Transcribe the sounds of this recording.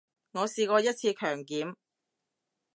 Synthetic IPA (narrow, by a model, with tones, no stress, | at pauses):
ŋɔː˨˧siː˨˧kɔː˧jɐ˥t̚t͡sʰiː˧kʰœː˨˩ŋkiː˨˥m